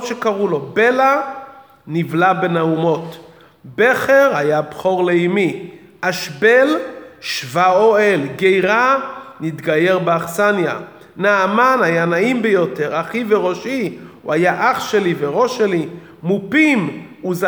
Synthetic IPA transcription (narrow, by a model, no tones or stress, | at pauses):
ʃekaʁulo̞be̞la | nivlabenaumo̞t | be̞χeʁhajabχo̞ʁleimi | ʔaʃbelʃvaoelɡejʁanit̪ɡaje̞ʁbeaχsanja̰ | naːmanhajanaimbejote̞ʁaχiveʁo̞ʃiṵajaʔaχʃeliveʁo̞ʃeli | mupimuz